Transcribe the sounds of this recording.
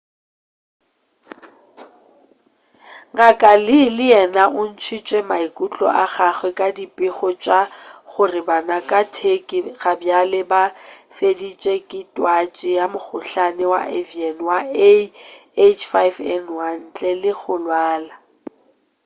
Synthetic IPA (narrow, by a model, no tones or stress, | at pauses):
ŋakʼalɪlɪjɛnaʔʊn̩t͡ʃʰit͡ʃʼɛmaikʼut͡ɬʼɔ̰ʔaɣaχwɛkʼadipʼɪχɔt͡ʃʼaχʊrɪbanakʼatʰekʼɪɣabjalɪbafedit͡ʃʼɛkʼɪtʼwat͡ʃʼɪjamʊk͡xʰʊɬanɛwa̰ʔɛviɛnwaeet͡ʃʰfajvɛnwan̩t͡ɬʼɛlɪɣʊlwaːla